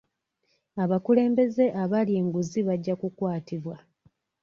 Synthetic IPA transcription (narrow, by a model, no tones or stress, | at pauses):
aβakule̞ːmbe̞ze̞ʔaβalie̞ːŋɡuziβaɟːakukwaːtiβwa